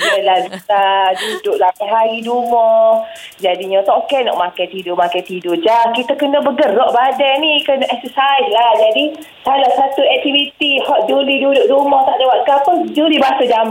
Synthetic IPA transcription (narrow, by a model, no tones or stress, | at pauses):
əlabit̪adudʊʔlapaɦaɾidumɔ | d͡ʒadiɲə̃t̪ɔʔokɛnɔ̰ʔmakajt̪idʊmakajt̪idod͡ʒakit̪akənəbəɡərɔʔbadajnĩkənaʔɛksəsajslahd͡ʒadi | salaʔsat̪uɛk̚t̪ivit̪ihɔʔ̪̚dulidudʊʔdumɔt̪aʔdewat̪̚kapəd͡ʒulibaasəd͡ʒam